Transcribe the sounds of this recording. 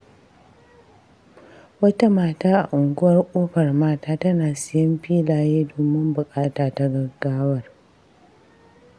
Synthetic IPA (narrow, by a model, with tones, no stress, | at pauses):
wɐ˦ta˦maː˨taː˦ʔa̰˨ʔʊ˨ŋɡʊ˦wɐ˦rkʷʼoː˦ɸɐ˨rmaː˦taː˦tɐ˦naː˨sɪ˦˨jɪ˦mɸiː˦laː˨jeː˦doː˨mɪ˦mbʊ˨kʼaː˦taː˨ta˦ɡɐ˦ɡaː˦wɐ˦r